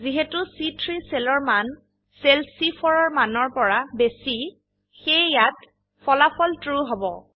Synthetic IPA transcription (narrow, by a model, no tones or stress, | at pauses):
ziɦetʊsitʰɹisɛlɔɹman | selsipʰɔɹɔɹmanɔɹpɔɹabesi | xejjat | fʰɔlapʰɔltɹuɦɔbɔ̰